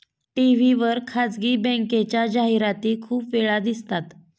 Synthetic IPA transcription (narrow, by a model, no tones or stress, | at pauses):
ʈiʋiʋəɾkʰad͡zɡiːbɛ̃ŋket͡ɕjad͡ʑaɦiɾat̪iːkʰuːpʋeɭad̪ist̪at̪